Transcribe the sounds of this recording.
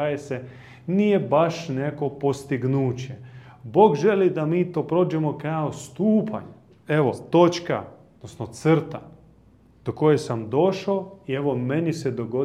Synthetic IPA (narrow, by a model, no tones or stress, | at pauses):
ajese | niːje̞baʃneko̞po̞st̪iɡnuːt͡ɕebo̞ːɡʒelid̪amiːt̪o̞ːpɾo̞ːd͡ʒemo̞kaost̪uːpa̰ɲ | e̞ʋo̞t̪o̞t͡ʃka̰od̪nosnot̪srt̪a | d̪̥oko̞jesamd̪o̞ʃoie̞ʋo̞menised̪o̞ɡo̞